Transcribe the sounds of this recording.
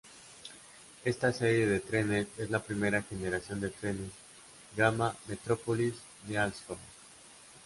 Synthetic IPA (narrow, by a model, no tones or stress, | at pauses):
e̞st̪ase̞ɾje̞ðe̞t̪ɾe̞ne̞se̞zlapɾime̞ɾaxe̞ne̞ɾasjo̞nd̪e̞t̪ɾe̞nes | ɡamame̞t̪ɾo̞polis | d̪ealsfo